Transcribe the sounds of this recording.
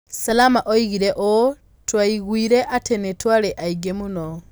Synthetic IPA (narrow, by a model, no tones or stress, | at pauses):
salamaʔoiɣiɾeʔo | twaiɣwiɾeʔatenetwaɾeʔaiɡemunɔ